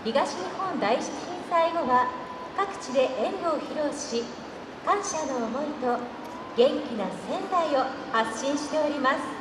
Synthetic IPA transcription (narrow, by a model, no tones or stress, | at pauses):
çiɡaɕiɲihõ̞nd̪aiɕi̥t͡si̥çĩɰsaiɡo̞βa | kakɯ̟̥t͡ɕid̪e̞ʔẽ̞nɡ̪o̞ːçiɾo̞ːɕi | kãɰ̃ɕano̞ːmo̞it̪o̞ | ɡẽ̞ŋkʲinasẽ̞nd̪aio̞haɕĩɰ̃ɕi̥t̪e̞oɾʲimasɨ̥